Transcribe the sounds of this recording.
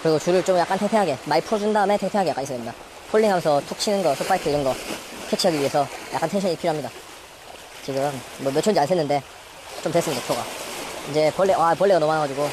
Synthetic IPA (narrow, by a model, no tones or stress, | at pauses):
kɯɾiɡot͡ɕuɾɯɭt͡ɕomjak͈antʰeŋpʰeŋɦaɡe̞maipʰuɾʌd͡ʑundaɯme̞tʰeŋpʰeŋɦaɡejak͈aɲisʌdemɲid̥a | pʰoɭːiŋɦamjʌnsʰʌtʰuk̚ɕ͈ʰinɯnɡʌsʰop͈aitʰeiɾnɯnɡʌkʰekt͡ɕʰiɦaɡiɥiɦesʰʌja̰k͈antʰeŋɕʰʌɲipʰiɾjoɦamɲida | t͡ɕiɡɯmːwʌmjʌt͡ɕʰond͡ʑiansʰenːɯnde̞ | t͡ɕomtwes͈ɯmɲidat͡ɕʰoɡaind͡ʑe̞pʌɭːeapʌɭːeɣanʌmanaɡad͡ʑiɡo